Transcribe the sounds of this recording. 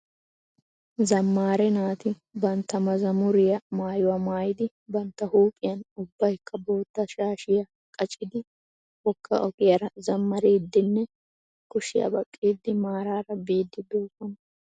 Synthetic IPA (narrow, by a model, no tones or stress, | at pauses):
zɐmːaːɾɛnaːt̪ɪ | bɐnt̪ːɐmɐzɐmʊɾɪjɐmaːjʊwɐmaːjɪd̪ɪ | bɐnt̪ːɐhuːpʼɪjɐnʊbːɐjɪkːɐbo̞ːt̪ːɐʃaːʃɪjɐ | kʼɐt͡ʃʼːɪd̪ɪ | wɔkʰːɐ̰ʔɔkʼɪjɐɾɐzɐmːɐɾiːd̪ːɪnːɛ | kʊʃɪjɐ̰bɐkʼːiːd̪ːɪmaːɾaːɾɐbiːd̪ːɪd̪oːfɐn